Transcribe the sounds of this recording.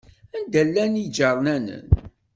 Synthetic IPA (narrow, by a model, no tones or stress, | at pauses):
ænd̪ælːænid͡ʒɑɾˤnænə̰n